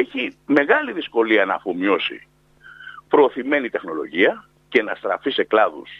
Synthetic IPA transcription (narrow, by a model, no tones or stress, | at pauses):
eçime̞ɣɐliðisko̞liɐnɐːfomio̞sḭ | pɾo̞ːθime̞nit̪e̞xno̞lo̞̰ʝiɐ | ce̞nɐst̪ɾɐ̰fise̞klɐðṵs